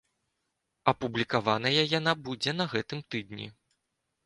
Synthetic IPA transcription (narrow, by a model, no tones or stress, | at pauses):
ɐpublʲikavanɐjɐjanabud͡zʲɛnɐɣɛt̪ɨmt̪ɨd̪nʲḭ